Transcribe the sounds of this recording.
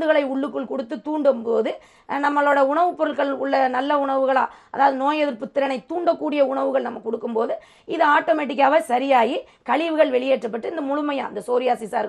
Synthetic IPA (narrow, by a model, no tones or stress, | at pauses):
d̪ɯɣɐɭɐɪʊɭːɯkːɯɭkɔɽɯt̪ːɯt̪uːɳɖɯmpoːðɯ | nɐmːɐɭoːɽɐʊɳɐʋɯpːɔɾɐlkɐɭʊɭːɐnɐlːɐʊɳɐʋɯɣɐɭa̰ːɐ̰ðaːʋɐðɯnoːjɐðɪɾpʊt̪ːɪɾɐnɐɪt̪ːuːɳɖɐkːuːɽɪjɐʊɳɐʋɯɣɐɭnɐmːɐkɔɽɯkːɯmpoːðɯ | ɪðɯaːʈːoːmeːʈ̬ːɪk̬ːaːʋɐsɐɾɪjaːji | kɐɭɪʋɯɣɐɭʋɛɭɪjeːʈrɐp̬ːɐʈːɯɪnd̪ɐmʊɻʊmɐja̰ːɪnd̪ɐsoːɾɪjaːsisaːɾ